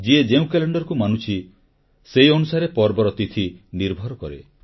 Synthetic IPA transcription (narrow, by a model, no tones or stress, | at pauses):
d͡ʒied͡ʒeũkeleɳɖɔɾɔkumanut͡ʃʰi | sejɔnusaɾepɔɾbɔɾɔt̪it̪ʰiniɾbʱɔɾɔkɔɾḛ